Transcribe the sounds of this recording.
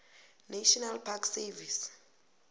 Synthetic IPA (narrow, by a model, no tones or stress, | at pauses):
naʃɔnalpʰaksɛvis